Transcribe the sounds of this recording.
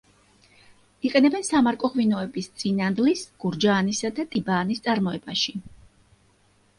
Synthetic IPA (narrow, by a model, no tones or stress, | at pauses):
iqʼɛnɛbɛnsamaɾkʼɔʁvinɔɛbist̪sʼinand̪lisɡ̥uɾd͡ʒaːnisad̪at̪ʼibaːnist̪sʼaɾmɔɛbaʃi